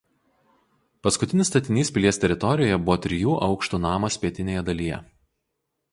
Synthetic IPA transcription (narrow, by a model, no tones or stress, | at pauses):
pɐskʊt̪ʲɪnʲɪst̪ɐt̪ʲɪnʲiːspʲɪlʲiɛst̪ʲɛɾʲɪt̪ɔɾʲɪjoːjɛbʊʋɔːt̪ʲɾʲɪjuːʔɒʊkʃt̪uːnɑːmɐspʲiɛt̪ʲɪnʲeːjɛd̪ɐlʲijɛ̰